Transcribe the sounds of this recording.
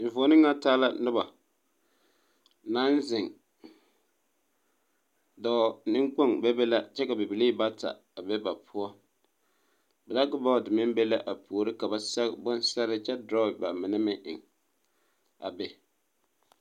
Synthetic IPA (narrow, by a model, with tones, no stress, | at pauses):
vo˨˦nɪ˦ŋːa˦taː˦la˦nʊ˦ba˨ | na˦n˦zɪ˨ŋ | dɔ˨nɪ˦ŋk͡po˦ŋbɛ˦bɛ˦la˦t͡ʃɛ˦ka˨bɪ˨bɪ˨li˦ba˦tʰa̰˨ | a˨bɛ˦ba˨pʰʊ˦ɔ˦ | bɛ˨la˦ɡʊ˦ba˦˨dɪ˨mɪ˦mbe˦la˦ʔa˨pʰoː˨ɾɪ˦ka˨ba˨sɛ˦kbʊ˦n˦sɛ˦ɾɪ˦t͡ʃɛ˦dɾɔ˦˨ba˨mɪ˨nɛ˦mɪ˦ŋʔɪ̰˨ŋ | a̰˨bɛ˨